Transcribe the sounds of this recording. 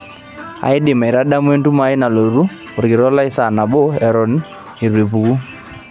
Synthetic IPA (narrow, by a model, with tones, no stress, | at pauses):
a̰˨ɪ˦dɪ˨ma˨ɪ˨ɾa˦da˦mwe˦ntu˦ma˦ɪ˦na˨lo˨ɾu˦ | ʊ˨ɾkɪ˨ɾɔ˦la˦ɪ˦sa˨na˨bɔ˦ɛ˨ɾɔ˨n | i˨ɾe˨p̬u˨ku˦